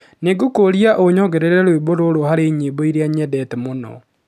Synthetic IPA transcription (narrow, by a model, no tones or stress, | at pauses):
neɡokoɾiaʔoɲɔɡɛɾeɾɛɾweboɾoɾohaɾeɲeboiɾeaɲɛdɛtɛmonɔ̰